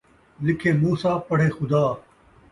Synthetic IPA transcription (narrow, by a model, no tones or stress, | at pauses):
lɪkʰeːmuːsaːpɐɽ̤eːxʊd̪aː